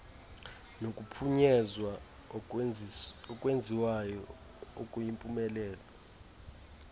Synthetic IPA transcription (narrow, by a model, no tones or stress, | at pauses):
nokʼupʰuɲɛzwa | ɔkʼwend͡zʱiwajɔ | okʼujimpʼumɛlɛːlɔ